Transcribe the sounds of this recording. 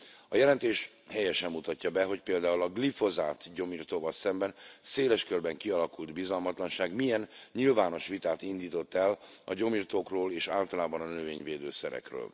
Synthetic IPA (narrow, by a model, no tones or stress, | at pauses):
ɒjɛlɛnt̪eːʃ | hɛjɛʃɛmːut̪ɒcːɒbɛɦo̞cpeːld̪aːulɒɡlifo̞zaːt̪ɟo̞miːrt̪oːvɒlsɛmbɛnseːlɛʃkørbɛŋkiɒlɒkuld̪bizɒlmɒt̪lɒnʃaːɡmijɛnɲilvaːno̞ʃʋit̪aːt̪ind̪iːt̪o̞t̪ːɛlɒɟo̞miːrt̪oːkroːleːʃa̰ːlt̪ɒlaːbɒnɒnø̞veːɲveːd̪øːsɛɾɛ̰krø̰ːl